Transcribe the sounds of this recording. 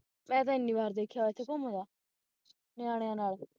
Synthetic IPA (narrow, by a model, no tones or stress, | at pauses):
mɛ̃ːt̪ãɪnːiːbaːɾd̪eːkʰːjaːɛt̪ʰekomõd̪aː | neaːɽejaːnaːl